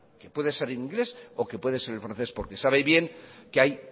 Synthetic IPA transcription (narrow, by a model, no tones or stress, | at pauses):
ke̞pwe̞ðese̞ɾenĩŋɡle̞so̞ke̞pwe̞ðe̞se̞ɾelfɾanθe̞spo̞̰ɾke̞saβe̞βje̞ŋkeaj